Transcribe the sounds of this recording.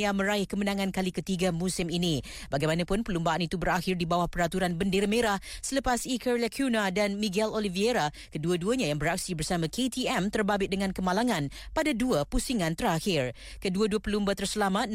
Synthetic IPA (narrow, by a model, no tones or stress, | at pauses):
amə̃ɾaɪhkəmənãŋãnkalikət̪iɡamũsɪmini | baɡajmanãpʊnpəlumbaanit̪ubəɾaxɪrdibawahpəɾat̪uɾanbəndeɾameɾahsələpasikəɾlakʰunadanmiɡɛlolivieɾa | kəduəduəɲãjaŋbəɾak̚sibərsamãkʰet̪iɛmt̪ərbabɪt̪̚dəŋãnkəmalaŋãn | padaduəpusiŋãnt̪əɾaxɪr | kəduəduəpəlumbat̪ərsəlamat̪̚